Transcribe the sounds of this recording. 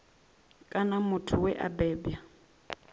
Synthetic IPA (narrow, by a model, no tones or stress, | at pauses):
kʼanamʊtʰʊwɛʔa̰bɛːbja